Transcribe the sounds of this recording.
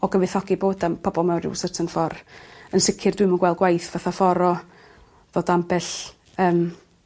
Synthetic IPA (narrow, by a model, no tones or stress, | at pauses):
ɔɡəvɨθɔɡiboːdapʰɔbɔlˠmɛwnrɪ̰wsətʰənfɔrənsɪkʰɪrdwɪmənɡwɛlˠɡwajθvaθafɔɾɔ | ðoːdambɛɬ | əːm